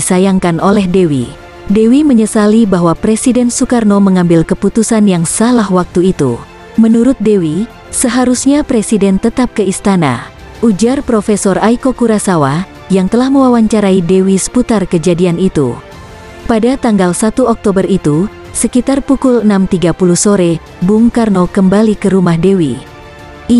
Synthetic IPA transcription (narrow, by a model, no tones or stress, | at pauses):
isajaŋkanʔolɛhdɛwḭ | dɛwiməɲəsalibaɦwapɾesidɛnsukarnoməŋambɪlkəput̪usanjaŋsalahwak̚t̪uit̪ṵ | mənuɾʊt̪̚dɛwi | səɦaɾusɲapɾesidɛnt̪ət̪ap̚kəist̪ana̰ | ʔud͡ʒarpɾofesɔrajkokuɾasawa | jaŋt̪əlahməwawaɲt͡ʃaɾaidewisə̥put̪arkəd͡ʒadianit̪ṵ | padat̪aŋɡalsat̪uɔk̚t̪obərit̪u | səkit̪arpukulənamt̪iɡapuluhsoɾɛ | buŋkarnokəmbalikəɾumahdewi